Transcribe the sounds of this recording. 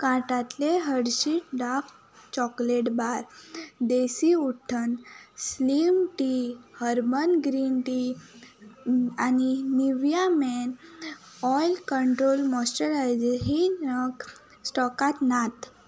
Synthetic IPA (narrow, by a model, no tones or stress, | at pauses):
kaʈat̪leɦəɽɕiʈ̚ɖaf | t͡ɕɔkleʈbaɾd̪esiuʈʰənslimʈihəɾmənɡɾinʈi | aniniʋjamɛn | ɔjlkəɳʈɾolmɔsʈəɾajd͡zeɦinək | sʈɔkat̪nat̪